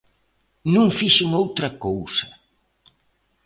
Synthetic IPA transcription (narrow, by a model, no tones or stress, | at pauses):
nũŋfiʃeŋowt̪ɾɐkowsɐ